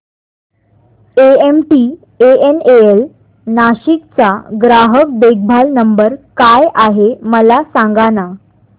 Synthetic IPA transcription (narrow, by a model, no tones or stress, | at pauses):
eemʈi | eeneel | naɕik̚t͡saɡɾaɦək̚beɡ̚bʱalnəmbəɾkajʔaɦeməlasãŋɡana